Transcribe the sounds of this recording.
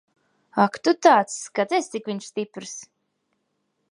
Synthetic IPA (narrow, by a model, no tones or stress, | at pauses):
akt̪ut̪aːt̪skat̪ɛst̪sikviɲʃst̪ipɾɨs